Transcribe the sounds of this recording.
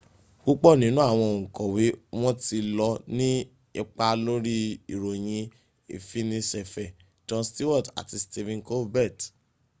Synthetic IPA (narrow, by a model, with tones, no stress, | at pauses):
ɡo˦k͡pɔ˦˨nĩ˨˦nũ˦a˦˨w̃ɔ̃˧o˨ŋ̩̃˨kɔ̃˨wi˨˦w̃ɔ̃˦ti˧lɔ˧nĩ˦ | i˧k͡pa˧lo˦ɾi˦i˨ɾo˨j̃ĩ˧ | ḭ˨fi˦nĩ˧sɛ˨fɛ˨ | d͡ʒɔ̃˧sti˦wɔ˦˨ta̰˨ti˧sti˧vĩ˧nko˦bɛ˦˨t